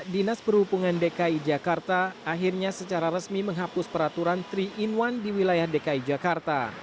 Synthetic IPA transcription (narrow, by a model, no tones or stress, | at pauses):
dinaspərhupuŋandekaid͡ʒakart̪aːɦirɲasət͡ʃaɾaɾəsmiməŋɦapʊspəɾat̪uɾant̪ɾiːnwandiwilajahdekaid͡ʒakart̪a̰